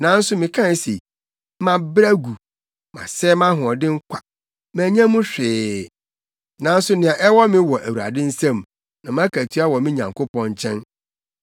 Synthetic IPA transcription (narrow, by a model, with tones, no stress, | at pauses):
nã˨˦n̩˦sʊ˦mɪ̃˨kʰã˦n˦se˨ | mã˨bɾa˦ɡu˨ | mã̰˨sɛː˦mã˦ɦʊ̃˨ɔ˨dɪ̃˦ŋ̩˦kʷʰḁ˨ | mæ̃ː˨ɲã˦mũ˦ɕᶣɪː˨˦ | nã˨˦n̩˦sʊ˦nɪ̃˨ã˨ʔɛ˦wɔ˦mɪ̃˦wɔ˨ʔæ˨wu˨ɾa̰˨dɪ̃˦n̩˦sã˦m | nã˨mã˦kʰæ˨tʰi˦a˦wɔ˨mɪ̃˦ɲã̰˨ŋkʊ˦pɔ̃˦n˦t͡ɕʰɛ̃˦n